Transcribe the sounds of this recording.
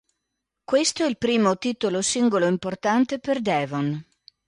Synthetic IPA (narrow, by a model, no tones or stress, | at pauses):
kwest̪oɛilpɾiːmot̪iːt̪olosiŋɡoloimport̪ant̪eperd̪ɛːvon